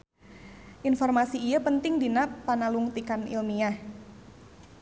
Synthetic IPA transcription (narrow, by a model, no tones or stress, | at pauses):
ʔinfɔrmasiːjapənt̪ɪŋdinapanaluŋt̪ikanḭlmiah